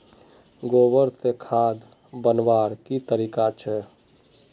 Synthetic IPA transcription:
ɡoːbəɾt̪ekʰaːd̪ | bənʋaːɾkit̪əɾiːkat͡ʃʰɛ

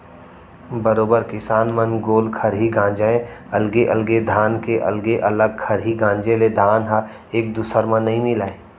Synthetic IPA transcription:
bəɾoːbəɾkɪsaːnmənɡoːlkʰɐɾɦiɡãːd͡ʒaːẽɐlɡeʔɐlɡed̪ʱaːnkeʔɐ̰lɡeʔɐləɡ̚kʰɐɾɦiɡãːɲd͡ʒeled̪ʱaːnɦə | eːk̚d̪usəɾmə̃nːɐɦĩmɪlaːe

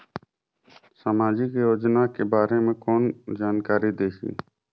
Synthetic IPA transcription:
samaːd͡ʒikejoːd͡ʒnaːkebaːɾeːmẽkoːnd͡ʒaːnkaːɾid̪eːʃḭ̃ː

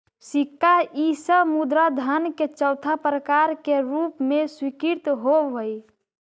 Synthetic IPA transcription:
sikːaʔisəmud̪ɾad̪ʱənket͡ʃəwt̪ʰapɾəkaɾkeɾupmeswikiɾt̪ɦobəj

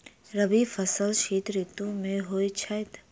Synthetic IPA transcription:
ɾɐbifɐsəlʃiːt̪ɾɪt̪ũmẽɦoːit͡ʃʰajt̪

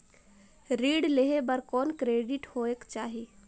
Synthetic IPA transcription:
ɾiːɖleɦebəɾkɔːnkɾeːɖɪʈhoːekt͡ʃaːɦiː

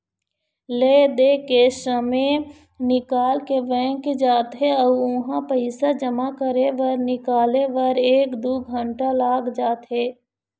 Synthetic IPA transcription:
leːd̪eːkesəme | nɪkaːlkeʋɛ̃ːkd͡ʒaːt̪ɦeəʊ̃ɦãpəɪsad͡ʒəmakəɾeʋəɾnɪkaːleʋəɾeːkd̪oːɡʱə̃ɳʈalaːɡd͡ʒaːt̪ɦeː

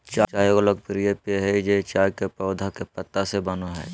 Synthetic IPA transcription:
t͡ʃat͡ʃaːjoloɡpɾijepeɦɛd͡ʒet͡ʃaːjkepəʊd̪ʱakepət̪ːasebɐnoɦɛ̰ː

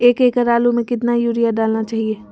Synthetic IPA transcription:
eːkeːkəɾaːlumẽkɪt̪najuːɾijaɖaːlnat͡ʃaːɦieː

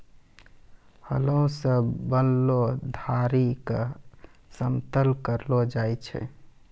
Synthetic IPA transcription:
hə̰ləũsəbbənlod̪ʱaɾikə | səmt̪əlkəɾlod͡ʒajt͡ʃʰɛ̰

